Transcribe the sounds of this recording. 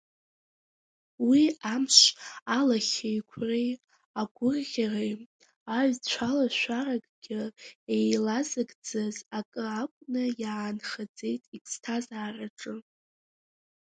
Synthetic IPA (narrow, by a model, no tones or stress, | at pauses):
wiamʂʷalaχʲejkʷʰrej | aɡʷʊrʁʲarej | aɥt͡ɕʷʰalaʃʷaraɡʼɡʲɪejlazɨɡʼd͡zɨzakʼɨakʷʼnɨjaːnχad͡ze̞jtʼikʼstʰazaːraʈ͡ʂʼɨ